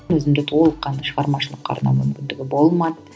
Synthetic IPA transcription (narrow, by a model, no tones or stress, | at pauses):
nɵzɪmnd̪et̪ʰo̞lˠəqːɑnʃəʁɑɾmɑʃəlˠəqʰːɑ̰ɾnɑ̰mʏmkʲɪnd̪ɪɡʲɪbo̞lˠmɑt̪